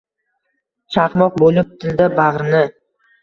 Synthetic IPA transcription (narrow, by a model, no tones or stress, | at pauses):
t͡ʃʰɑqmɒq̚bolˠɪp̚t̪ʰɪld̪abaʁɾɪnɪ